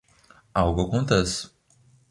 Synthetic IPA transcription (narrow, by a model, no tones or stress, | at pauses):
awɡɐkõnt̪ɛs